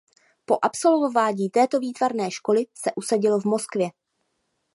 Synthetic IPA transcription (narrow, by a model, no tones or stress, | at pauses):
po̞ʔapso̞lvovaːɲiːt̪ɛːt̪o̞viːt̪vaɾnɛːʃko̞lɪsɛʔusaɟɪlovmo̞skvjɛ